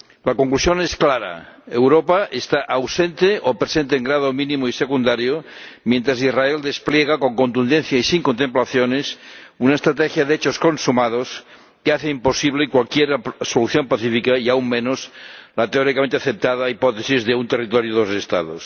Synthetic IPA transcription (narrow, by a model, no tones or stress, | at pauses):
lakoŋklusjo̞nesklaɾa̰ewɾopaʔest̪aʔawsent̪eʔopɾesent̪eŋɡɾað̞omĩnĩmoisekund̪aɾjomje̞nt̪ɾas̬izraeld̪espljeɣ̞ako̞ŋkont̪und̪enθjaisiŋkont̪emplaθjonesunaest̪ɾat̪exjaðeet͡ʃosko̞nsumað̞os | keaθeimpo̞siβlekwalkjeɾsoluθjo̞mpaθifikaiauŋmẽnoslat̪eoɾikament̪eaθep̚t̪aðaipot̪esizðeunt̪erit̪oɾjoðosest̪a̰ðo̰s